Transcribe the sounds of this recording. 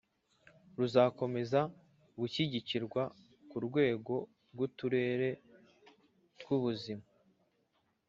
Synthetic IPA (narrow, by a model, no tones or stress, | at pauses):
ɾuzako̞me̞za | ɡuçiɟiciɾɡwa | kuɾɡwe̞ːɡo̞ | ɾɡutuɾe̞ːɾe̞ | tɡuβuzima